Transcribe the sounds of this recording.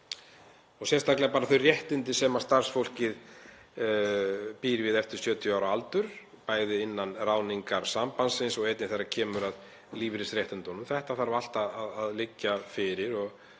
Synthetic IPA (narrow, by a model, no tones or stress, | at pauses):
ɔsjɛst̪aklɛapaːɾaθœɥrjɛht̪ɪnt̪ɪsɛːmast̪ar̥sfowl̥cɪð | piːɾɪvɪðɛft̪ɪɾ̥sjœːt̪ʰjʏaːwɾaalt̪ʏɾ̥ | paːjðɪɪnːanraːwniŋkaɾsampansɪnsɔɣɛjt̪nɪθajɾːacʰɛːmʏɾað | liːvɾɪsɾjɛht̪ʏnt̪ɔnʏmθɛht̪aθaɾval̥t̪aaðaðlɪcːafɪɾɪɾɔɣ